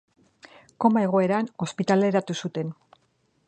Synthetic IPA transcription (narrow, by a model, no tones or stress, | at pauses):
ko̞mae̞ɣ̞o̞e̞ɾano̞spit̪ale̞ɾat̪usut̪e̞n